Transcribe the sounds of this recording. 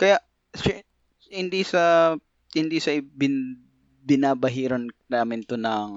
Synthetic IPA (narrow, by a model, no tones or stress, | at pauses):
kɐjaʔ | sɛ | hɪnd̪isɐ | hɪnd̪isɐʔɪbɪ | bɪnaːbɐɦiːɾonnaːmɪnt̪onɐŋ